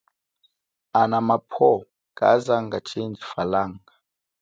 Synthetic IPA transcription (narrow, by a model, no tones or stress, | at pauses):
anamapʰɔ | kʼa̰zaŋɡat͡ʃʰind͡ʒifalaːŋɡa